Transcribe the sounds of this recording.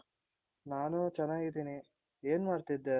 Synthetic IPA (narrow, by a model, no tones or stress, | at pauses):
naːnut͡ʃɛnːaːɡid̪iːni | eːnmaːɾt̪id̪ːe